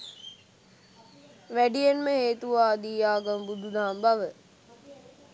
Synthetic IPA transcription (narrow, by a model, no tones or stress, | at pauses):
ʋæɖijenməɦeːt̪uʋaːd̪iːjaːɡɐmbud̪ʱud̪aːmbaʋə